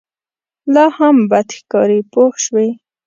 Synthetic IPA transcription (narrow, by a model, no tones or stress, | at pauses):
lɑhambad̪xkɑɾipoxʃwi